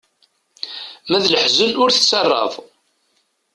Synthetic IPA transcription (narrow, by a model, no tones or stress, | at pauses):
mæðləħzəlʊɾθəsɑrˤːɑ̰v